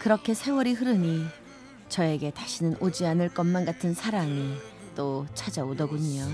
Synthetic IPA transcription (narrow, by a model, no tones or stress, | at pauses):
kɯɾʌkʰe̞sʰe̞wʌɾiɦɯɾɯɲi | t͡ɕʌe̞ɡe̞taɕʰinɯnʔod͡ʑianɯɭk͈ʌmːanɡatʰɯnsʰaɾami | t͈ot͡ɕʰad͡ʑaodʌɡuɲio